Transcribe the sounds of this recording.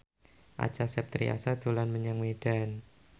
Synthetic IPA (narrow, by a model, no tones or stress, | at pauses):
ʔa̰̥t͡ʃasɛp̚t̪ɾḭa̰sad̪̥ulanməɲaŋmeɖ̥an